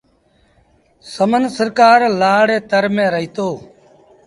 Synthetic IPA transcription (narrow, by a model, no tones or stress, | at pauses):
səmənsəɾkaːɾlaːɽeːt̪əɾmẽːɾəɦiːt̪oː